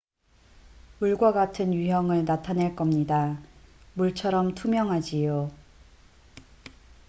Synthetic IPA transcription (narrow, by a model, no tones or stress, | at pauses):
muɭɡwaɡatʰɯnjuɦjʌŋɯɭnatʰaneɭk͈ʌmɲida | muɭt͡ɕʰʌɾʌmtʰumjʌŋɦad͡ʑijo